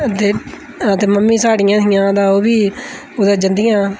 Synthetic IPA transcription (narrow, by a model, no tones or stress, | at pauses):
t̪eː | ət̪eːməmːiːsaːɽɪjãːt̪ʰɪjãːd̪aːoːbiː | ʊd̪aːd͡ʒənd̪ɪjãː